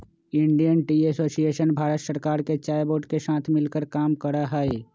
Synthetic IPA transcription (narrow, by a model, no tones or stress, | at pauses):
ɪ̃ɳɖijənʈiːesoːsieːʃənbʱaːɾət̪səɾkaːɾket͡ʃaːjboːɖkesãːt̪ʰmɪlkəɾkaːmkəɾaɦai